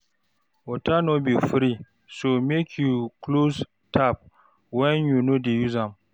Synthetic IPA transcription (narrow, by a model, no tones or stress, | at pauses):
wɔtanɔbifɾi | somekʰjuklos | tʰap̚ | wɛ̃njunodejuzãm